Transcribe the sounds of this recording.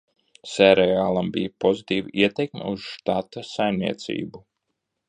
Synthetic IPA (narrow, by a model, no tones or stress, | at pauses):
sɛɾɛaːlˠambijpozit̪iːviʔiɛt̪ekmɛ̰uz̥ʃt̪at̪asajmnʲḭɛt̪sḭːbu